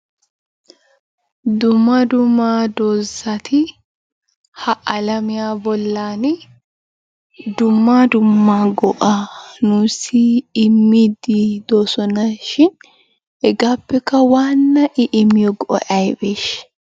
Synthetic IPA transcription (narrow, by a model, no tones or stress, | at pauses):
d̪ʊmːɐd̪ʊmaːd̪oːzɐt̪ʰɪ | hɐʔɐlɐmɪjaːbɔlːaːnɪ | d̪ʊmːaːd̪ʊmːaːɡɔʔanʊsiːmːid̪id̪̥oːsɔnɐʃɪn | ɛɡaːpːɛkːɐwaːnːɐʔɪʔɪmːɪjɔɡɔʔɔ̰ʔɐjbeːʃ